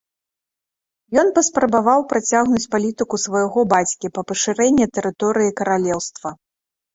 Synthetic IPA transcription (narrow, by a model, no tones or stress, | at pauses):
jɔnpɐspɾɐbavawpɾat͡sʲaɣnut͡sʲpalʲit̪ɨkusvɐjaɣɔbat͡sʲkʲipɐpɐʂɨɾɛnʲːɛt̪ɛɾɨt̪ɔɾɨjikɐɾalʲɛwst̪vɐ